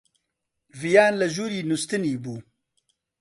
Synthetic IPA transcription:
vijaːnləʒuːɾiːnust̪ɨniːbuː

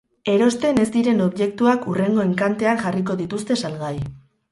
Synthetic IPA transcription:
e̞ɾo̞st̪e̞ne̞szd̪iɾe̞no̞βʝe̞k̚t̪uakure̞ŋɡo̞e̞ŋkant̪e̞aŋʝariko̞ðit̪ust̪e̞salɣaj

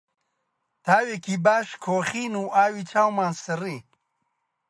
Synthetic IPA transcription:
t̪aːwekibaːʃkʰoːxiːnuːʔaːwit͡ʃʰaːwmãːnsɐɾiː

